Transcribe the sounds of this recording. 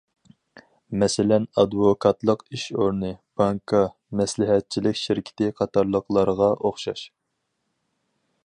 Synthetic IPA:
mɛsɪlɛnɑd̪vokʰɑt̪lˠəqiʃoɾnɨb̥ɑŋkʰɑ | mɛslɪɦɛt̪̚t͡ʃʰilɪkʲʃɪɾkʲʰi̥t̪ɪqʰɑt̪ɑɾlˠəqlˠɑɾʁɑʔoχʃɑʃ

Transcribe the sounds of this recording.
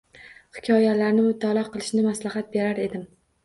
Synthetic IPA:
hɪ̥kʲʰɒjalaɾnɪmʊt̪ʰalˠɒqɨlˠɪʃnɪmaslaɦat̪̚be̞ɾaɾe̞d̪ɪm

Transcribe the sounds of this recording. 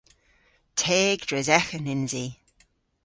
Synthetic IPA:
tʰeːɡd̥ɹɛzɛxənɪnziː

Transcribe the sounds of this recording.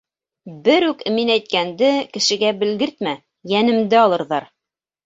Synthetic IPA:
bɘɾʉk̆minæjt̪̚kænd̪ɘkɘ̆ʃɘ̆ɡæbɘ̆lɡɘɾt̪mæ | jænɘ̆md̪ɘɑlˠɤ̆ɾðɑɾ

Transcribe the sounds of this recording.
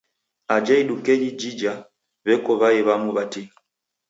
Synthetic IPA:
ad͡ʒaiɗukɛd͡ʒid͡ʒid͡ʒa | βɛkɔβaɛβamuβati

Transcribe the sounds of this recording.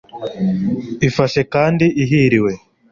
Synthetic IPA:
ifaʃe̞kaːndiʔiɦiɾiwe̞

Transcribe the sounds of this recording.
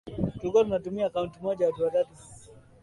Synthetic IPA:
tuɡɔlunatumiaːkauntimɔʄawatuwatatu

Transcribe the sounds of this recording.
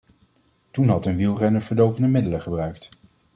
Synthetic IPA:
tunɦɑtənʋilˠrɛnəɹv̥əɹdowvəndəmɪdələχəbrœɥkt

